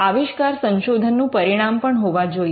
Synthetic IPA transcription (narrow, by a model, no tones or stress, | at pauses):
aʋiʃkaɾsə̃nʃod̪ʱənːũpəɾiɽ̃ampəɳɦoʋad͡ʒo